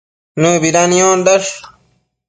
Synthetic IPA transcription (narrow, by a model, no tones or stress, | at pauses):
nũːbiɾanijoːnd̪ɐʂ